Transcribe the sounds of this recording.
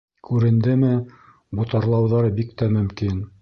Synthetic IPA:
kʉɾɘ̆nd̪ɘmɘ | but̪ɑɾlˠɑwðɑɾɤbikt̪æmɵ̆mkin

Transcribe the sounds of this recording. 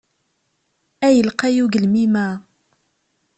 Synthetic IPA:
æjəlqæjuɡəlmimæ

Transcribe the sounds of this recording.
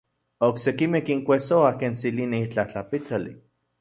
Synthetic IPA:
oksekimehkiŋkʷesoakensilineit͡ɬaht͡ɬapit͡salḭ

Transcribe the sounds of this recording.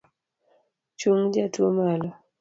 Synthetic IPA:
t͡ʃuŋd͡ʒatuɔmala

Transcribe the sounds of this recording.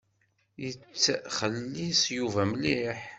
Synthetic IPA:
jət͡sːχəlːisjuvæmliħ

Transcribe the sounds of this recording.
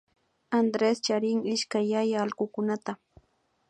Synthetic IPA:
and̪ɾest͡ʃaɾɪŋɪʃkajːajaːlɢʊkʊnat̪a

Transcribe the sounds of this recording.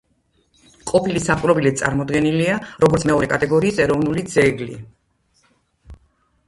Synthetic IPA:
qʼɔpʰilisaχʼɾɔbilit̪sʼa̰ɾmɔd̪ɡɛniliaɾʔɔɡɔɾt̪sʰmɛɔɾɛkʼat̪ʼɛɡɔɾiːsɛɾɔvnulid̪zɛɡlḭ

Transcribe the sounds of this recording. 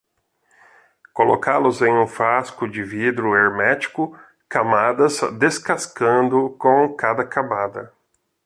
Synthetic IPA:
kolo̰kʰalʊzẽj̃ũfaskʊd͡ʒɪvid̪ɾʊeɾmɛt͡ʃi̥kʊ | kamad̪ɐzd̪eskaskɐ̃nd̪ʊkõkad̪ɐkamad̪ɐ̰

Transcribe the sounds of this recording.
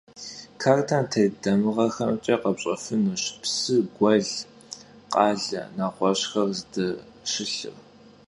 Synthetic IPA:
kʰaːrtʰantʰɐjdɐmɨʁɐxɐmt͡ʃʼeːqɐpɕʼɐ̰fɨnɨɕpsɨɡʷɐɮ | qɑːɮɐ̰naːqʷɔɕxɐrzdɐ | ʃɪɬɨ̰r

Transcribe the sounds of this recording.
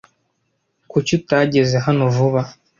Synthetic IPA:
kucutaɟe̞zeɦanovuβa

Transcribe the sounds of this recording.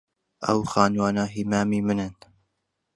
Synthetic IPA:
ʔɐ̰wxaːnwaːnaːɦiːmaːmiːmɨnɨn

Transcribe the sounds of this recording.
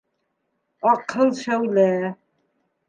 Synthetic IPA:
ɑqʰɤlˠʃæwlæ

